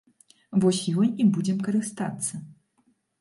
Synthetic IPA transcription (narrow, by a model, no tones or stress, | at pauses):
vɔsʲjɔnʲibud͡zʲɛmkɐɾɨst̪a̰t̪sːɐ